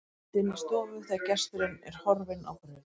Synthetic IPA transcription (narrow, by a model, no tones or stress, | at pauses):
t̪ɪnːɪst̪ɔːvʏθɛacɛst̪ʏɾɪnɛ̰ɾ̥hɔɾvɪna̰wpɾɪ